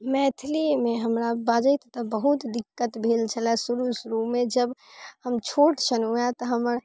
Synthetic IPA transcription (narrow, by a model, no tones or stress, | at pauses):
mɛt̪ʰlimeɦəmɾabad͡ʒəjt̪t̪əbəɦut̪d̪ikːət̪bʱelt͡ʃʰəlɛsuɾusɾumːed͡ʒəbhəmt͡ʃʰoʈt͡ʃʰənuɛt̪əɦəməɾ